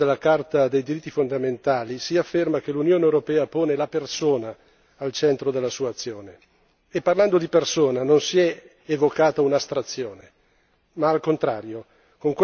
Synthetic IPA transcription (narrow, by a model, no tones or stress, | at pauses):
d̪elːakart̪ad̪ejd̪iɾit̪ːifond̪ament̪aːlisiafːermak̟elunjoːneewɾopɛːapoːnelapersoːnaː | lt͡ʃɛnt̪ɾod̪elːasuːaːt̪sːjoːne | epːarland̪od̪ipersoːnanonsiɛ | evokaːt̪aunast̪ɾat̪sːjoːne | maːlkont̪ɾa̰ːɾjo | koŋkw